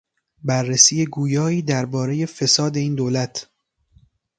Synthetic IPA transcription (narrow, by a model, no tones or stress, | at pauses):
bærːesiːjeɡuːjɒːiːd̪æɾbɒːɾe̞je̞fe̞sɒːd̪e̞iːnd̪oːlæt̪ʰ